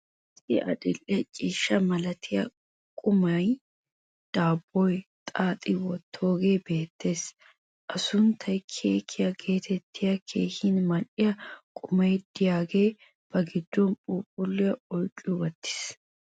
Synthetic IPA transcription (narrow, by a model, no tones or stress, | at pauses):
sɪʔɐ̰dɪlʔɛt͡ʃʼiːʃːɐmɐlɐt̪ʰɪjɐ | kʼʊmɐj | d̪̥aːbːɔjt̪ʼaːt̪ʼɪwɔt̪ʰːo̞ːɡe̞ːbe̞ːt̪ʰːe̞ːs | ʔɐsʊnt̪ʰɐjkʰeːkʰːɪjɐɡe̞ːt̪ʰɛt̪ʰːɪjɐkʰe̞ːhɪnmɐʔɪjɐkʼʊmɐjd̪̥ɪjaːɡe̞ː | b̥ɐɡɪd̪ːɔnpʼuːpʼʊlːɪjɐɔlt͡ʃʼʊwɐt̪ːɪ̥s